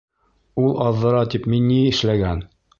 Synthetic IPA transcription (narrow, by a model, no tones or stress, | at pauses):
ulˠʔɑðːɤ̆ɾɑt̪ipminːiɘ̆ʃlæɡæn